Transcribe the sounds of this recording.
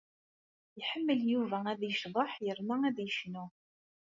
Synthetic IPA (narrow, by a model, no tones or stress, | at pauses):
ħəmːəljuvææðjəʃðˤəħjəɾmææðjəʃnu